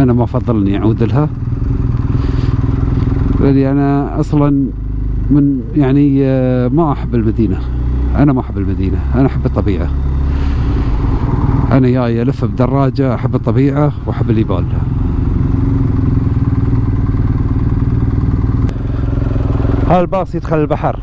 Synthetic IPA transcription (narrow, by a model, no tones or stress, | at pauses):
ʔanamaʔfɑðˤːɨlʔniʔaʕuːd̪ɪlɦa | ʔalːiʔanaʔɑsˤlɑn | mɪn | jaʕnimaʔaħabːɪlmad̪iːna | ʔanamaʔaħabːɪlmad̪iːnaʔanaʔaħabːɨt̪ˤːɑbiːʕa | ʔanajaːjʔalafːab̚d̪ɑrˤːɑːd͡ʒaʔaħabːɨt̪ˤːɑbiːʕawʔaħabːlːiba̰ːlha | haːlbɑːsˤjɪd̪xalːilbaħɑɾˤ